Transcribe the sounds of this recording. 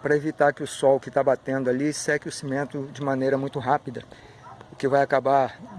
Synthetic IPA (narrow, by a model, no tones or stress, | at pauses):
pɾɐevit̪aɾkɪʊsɔwkɪt̪abat̪ẽnd̪ʊalisɛkɪʊsimẽnt̪ʊd͡ʒɪmɐ̃nejɾɐmũj̃t̪ʊɦapid̪ɐ | ʊkɪvajakaba